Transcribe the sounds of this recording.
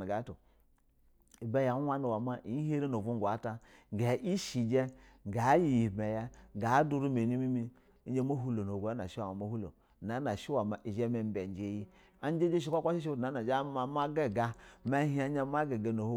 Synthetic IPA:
a˨ɡa˨˦tu˨ | i˨be˦ja˨˦wa˦nu˨wa˨ma˦ʔi˨˦ɦe˦ɾe˦no˨vu˦ŋ˨ɡʷa˨˦ta˦˨ɡa˨˦ʔi˦ʃi˨d͡ʒɛ˦˨ɡa˨˦ji˨mɛ˨jɛ˦˨ɡa˨˦du˦ɾu˦me˨ni˦mi˦mi˦ | i˦d͡ʒe˦mo˦ɦu˦lo˨no˨ɡo˨a˦na̰˨ʃi˦wa˨ma˨mo˦hu˦lo̰˨ | na˨˦na˨ʃi˦wa˨ma˨ʔi˨ʒɛ˦me˨m˦be˨˦d͡ʒe˨˦ji˦ | a˦n˦d͡ʒe˦d͡ʒe˦ʃ̬i˦kʷa˦kʷa˦ʃi˦ʃ̬i˦˨na˨˦na˨d͡ʒa˦ma˨ma˦ɡe˦˨ɡa˨ma˦hi˦a˦ɲa˦m˦a˦ɡe˨ɡa˨no˨ho˦

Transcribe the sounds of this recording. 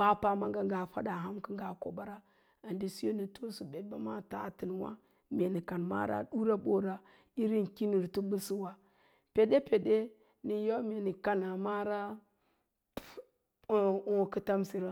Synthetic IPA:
ba˦pa˦ma˦ŋɡa˦ŋ˦ɡa˨fa˦da˨ɦa˦mki˦ŋɡa˨ko̰˨ba˦ɾa˦ | a˨ndi˦si˦o˦ni˨to˦su˨be˨d̚ba˦ma˦ta̰˨ti˨nwa̰˦ | mʲe˨ni˨ka˨nma̰˦ɾa̰˦ɗu˦ɾa˦ɓo˦ɾa˨ | i˦ɾi˦n˨ki˦ni˨ɾtu˦bu˦si˦wa˨ | pe˨ɗe˦pe˨de˦ | ni˨jo˦mʲe˨ni˨ka˦na˨ma˦ɾa˦˨ | o˦˨kə˦ta˦msi˨ɾa˦

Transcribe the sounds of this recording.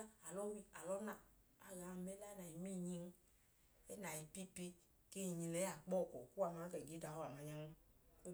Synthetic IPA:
a˨lɔ˦wi˦a˨lɔ˦nã˨ | a˨ɣa˨mɛ˦la˦na˨ji˨mĩ˦˨ɲĩ˧ŋ˦ | e˦na˨ji˨pi˦pe˦ | ke˦i˨ɲĩ˧lɛ˨˦a˨k͡pɔ˦˨kɔ˨ku˦a˨mã˨˦kɛ˨ɡi˨˦da˨wo˦a˨mã˨ɲã˦ŋ˦

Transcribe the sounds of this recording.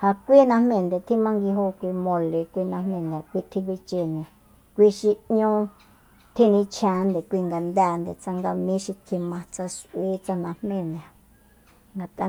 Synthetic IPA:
ha˧kʷi˦nã˧hmẽ˧˨nd̪e˨t̪ʰi˦mã˦ŋɡi˧ɦo˦kʷi˧mõ˧le˨kʷi˧nã˧m̥ẽ˧˨nd̪ã˨kʷi˧t̪ʰĩ˧k̬i˧t͡ʃe˧nĩ˨ | kʷi˧ʃi˧ɲõ˦ | t̪ʰi˦nĩ˧t͡ʃʰã˧˦nd̪e˨kʷi˧ŋɡa˨nd̪ɛː˧˨nd̪e˨t͡sa˧ŋɡa˧mĩ˦ʃi˧t̪ʰi˧mã˧t͡sa˧ʃʔwi˦t͡sa˧nã˧hmẽ˧˨n˨a˨ | ŋɡa˨t̪a˧

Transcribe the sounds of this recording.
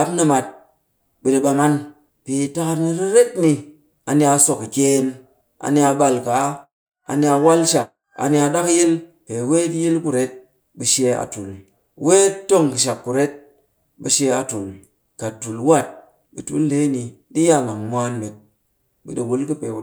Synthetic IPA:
a˨˦pnɨ˧ma˨t̚ | ɓɨ˨di˧ɓa˧ma˦n | pe˨ta˦ka˧nɨ˧ɾi˦ɾe˦tni˧ | a˨ni˦a˧so˨ki˨kʲe˦n | a̰˨ni˦a˧ɓa˧lka˨˦ | a̰˨ni˦a˧wa˦lʃa˨k̚ | a̰˨ni˦a˧ɗa˦kɨ˦ji˦l | pe˨we˦tji˦lku˦ɾe˦t̚ | ɓɨ˧ʃe˧a̰˨tu˨l | we˦to˦˨ŋkɨ˨ʃ̬a˨kːu˨ɾe˦t̚ | ɓɨ˧ʃe˧a˨tu˨l | ka˨tu˨lwa˦t̚ | ɓɨ̰˨tṵ˦lde˨˦ni˨di˦ja˦˨ŋa˨ŋmʷ˦a˦nme˨t̚ | ɓɨ̰˨ɗi˨wu˨˦lkɨ˦pe˨

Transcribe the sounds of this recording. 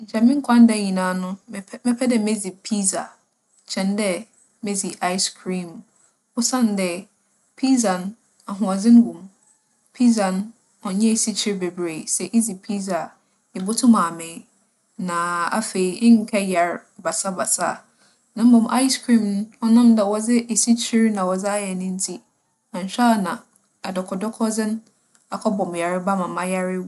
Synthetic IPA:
ɲ̩˨t͡ɕʰɛ˨mɪ̃˦ŋ̩˦kʷʰã˦n˦dɛ˨ɲĩ˨nãː˨˦nʊ̃˦˨mɛ̃˦pʰɛ˦dɛ˨me˦d͡zi˨pʰi˦za̰˨ | t͡ɕʰɛ̃˨ndɛ˦ | me˦zi˨ʔa˦ɪ˦skʰɾĩ˦˨m | ʊ˦sã˦˨n˨˦dɛ˦ | pʰi˦za˨n | a˨ɦʊ̃˨a˨zɪ̃˦n˦ɡũ˨m | pʰi˦za˨n | ɔ˨ɲɛ̃˦˨si˦t͡ɕʰɪ˦ɾbe˨bɾe˨sɛ˨ʔi˦zi˨pʰi˦za˨ | ɪ˨bʊ˦tʰʊ̃˦mã˨mɪ̃˨˦ | nã˨a̰˦fe˨i˨ɪ̃˦ŋ̩˨kʰɛ˦ja˨ɾba˨sa˦ba˨sa̰˦˨ | nã˨m̩˦bɔ̃˨mʔa˦ɪ˦skʰɾĩ˦mn˦ɔ˦nã˦mdɛ˨wɔ˨d͡zɪ˦ʔe˨si˦t͡ɕʰi˦ɾnã˨wɔ˨d͡zɪ˦a˦jɛ˨nʊ̃˦n̩˦tʰi˦ | nã˨n̩˨ɕᶣa˦˨nã˨ | a˨dɔ˨kʰɔ˨dɔ˦kʰɔ˦d͡zɪ˦n | a˨kʰɔ˦bɔ̃˨m˨ja˨ɾɪ˦ba˦mã˨mã˦ja˦ɾɪ˦

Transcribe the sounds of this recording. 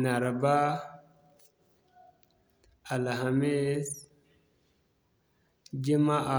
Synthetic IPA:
na˨ɾa˨ba˦ | a˨la˨ɦa˨me˦s | d͡ʒi˦ma˦ʔa˨

